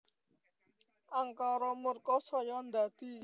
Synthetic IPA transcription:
aŋkaɾɔmuɾkɔsɔjɔnd̪ati

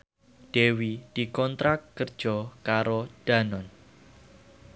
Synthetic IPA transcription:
d̥ewid̥i̤kɔnt̪ɾakːərd̥ʒ̥ɔkaɾod̥a̤nɔn

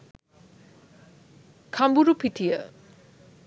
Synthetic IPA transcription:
kʰambuɾupʰitʰijə

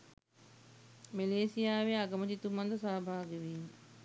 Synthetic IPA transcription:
meleːsijaːʋeaɡɐməd͡ʒit̪umɐnd̪ɐsaːbʱaːɡeʋiːm

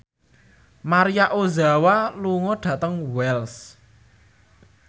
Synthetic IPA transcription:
maɾijaʔozawaluŋɔɖ̥ä̤t̪əŋwɛls

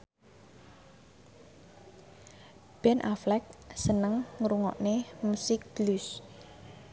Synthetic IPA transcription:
b̥ɛnʔaflɛk̚sənəŋːɾuŋɔ̰ʔnemusɪk̚b̥lus

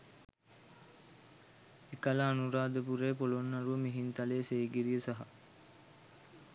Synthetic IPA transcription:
ekalaːnuɾaːd̪əpuɾeːpolonːaɾuʋəmiɦint̪aleːseːɡiɾijəsaɦa

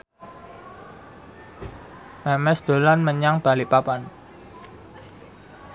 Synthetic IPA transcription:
mɛmɛsd̪̥o̤lanməɲaŋb̥a̤liʔpapan

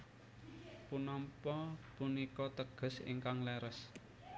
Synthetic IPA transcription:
punɔmpɔpunikɔt̪əɡ̥ə̤sḭŋkaŋlɛɾəs

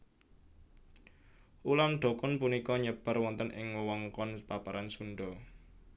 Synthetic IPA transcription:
ʔulanɖ̪̥ɔ̤kɔnpunikɔɲəb̥a̤rwɔnt̪ənʔɪ̰ŋwəwɔŋkɔnpapaɾʔansuɳɖɔ

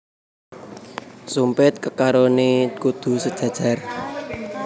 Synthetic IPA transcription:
sumpɪt̪̚kəkaɾonekud̪̥ṳsəd̥ʒ̥ä̤̥ʒ̥a̤r

